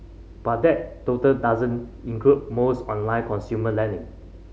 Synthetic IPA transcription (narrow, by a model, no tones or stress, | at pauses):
b̥at̚dɛt̚totəldazə̃nĩŋkʰlut̚mosɔ̃nlãɪ̃nkʰɔ̃nsjuməlɛ̃nɪ̃ŋ